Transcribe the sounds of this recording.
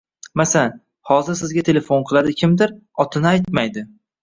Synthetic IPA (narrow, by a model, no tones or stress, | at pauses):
masaan | hɒzɪɾsɪzɡʲat̪ʰe̞le̞fonqʰɨlˠad̪ɪkʲʰɪmd̪ɪɾɒt̪ʰɪnɪajt̪majd̪ɪ